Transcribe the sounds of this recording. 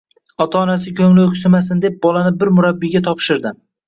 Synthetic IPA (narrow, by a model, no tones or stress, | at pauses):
ɒt̪ʰaːnas̬ɪkʲʰɵŋlɪokʲsɪmasɪnd̪e̞p̚bɒlanɪbɪɾmʊɾabːiɡʲat̪ʰɒpʃɪɾd̪ɪm